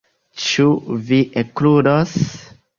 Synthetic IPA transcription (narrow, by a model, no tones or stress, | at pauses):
t͡ʃuviʔekludos